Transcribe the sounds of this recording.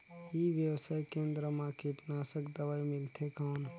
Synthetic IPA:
ibjəwsajkẽnd̪ɾəmãkiʈnasəkd̪əʋajmilt̪ʰekəon

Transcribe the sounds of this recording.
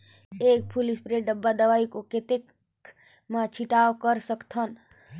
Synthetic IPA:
ek̚pʰulispɾeɖəbːad̪əʋaikoket̪ek | mat͡ʃʰiʈaokəɾsəkt̪ʰən

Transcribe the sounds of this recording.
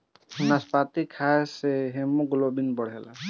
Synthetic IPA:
naspat̪ikʰaeseɦemuɡlobinbɔɽɦela̰

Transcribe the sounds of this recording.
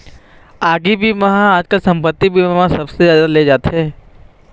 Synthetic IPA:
aːɡibʱiʋɐɦãaːd͡ʒkasɐ̃mpət̪ːibʱiʋɐɦãsɐbsezjaːd̪aled͡ʒaːt̪eɦɛ̃ː

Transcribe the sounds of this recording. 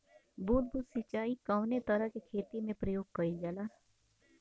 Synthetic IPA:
buːt̪̚buːt̪sɪt͡ʃaːikaʊnet̪ɐɾəɦkekʰeːt̪imẽpɾɐjoːɡ̚kɐid͡ʒalaː

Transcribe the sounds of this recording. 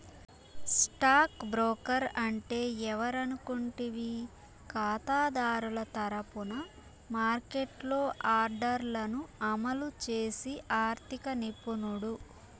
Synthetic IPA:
sʈaːkbɾoːkɐɾɐɳʈe̞ːɛʋɐɾɐnukoɳʈiʋi | kaːt̪aːd̪aːɾulɐt̪ɐɾɐpunɐ | maːɾkeʈlo̞ːʔaːɾɖɐɾlɐnuɐmɐlut͡ʃe̞ːsiʔaːɾt̪ʰikɐnipunuɽu

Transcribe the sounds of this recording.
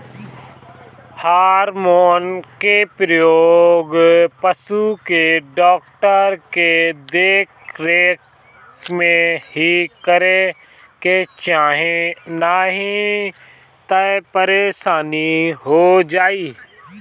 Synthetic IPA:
haːɾmoːnkepɾəjoːɡpəsukeɖɔːkʈəɾked̪eːkɾeːk | mẽɦikəɾe | ket͡ʃaːɦẽnaːɦĩ | t̪əpəɾeʃaːniɦod͡ʒaːiː

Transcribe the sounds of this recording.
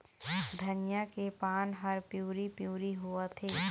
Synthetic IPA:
d̪ʱɐnɪjakepaːnɦɐɾpjuːɾipjuːɾiɦuat̪ʰeː

